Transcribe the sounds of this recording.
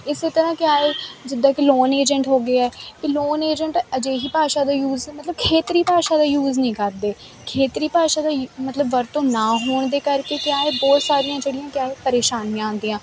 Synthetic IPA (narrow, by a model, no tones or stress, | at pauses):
ɪseːt̪əɾãːkɪaːeːd͡ʒɪd̪ãːkiloːneːd͡ʒəɳʈɦoːɡəaɛːkɪloːneːd͡ʒəɳʈəd͡ʒeːɦiːpaːʃaːd̪aːjuːzmət̪ləbkʰeːt̪ɾiːpaːʃaːd̪aːjuːznĩːkəɾd̪eː | kʰeːt̪ɾiːpaːʃaːd̪aːmət̪ləbʋəɾt̪õːnãːɦoːɳd̪eːkəɾkeːkɪaːeːbɔːt̪saːɾijãːd͡ʒeːɽɪjãːkjaːeːpəɾeːʃaːnãːnd̪iːãː